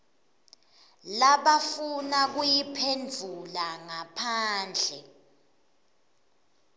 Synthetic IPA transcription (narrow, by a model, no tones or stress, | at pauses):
laɓafunak̬ujipʰend͡zʱulaŋapʰaːnd͡ɮʱɛ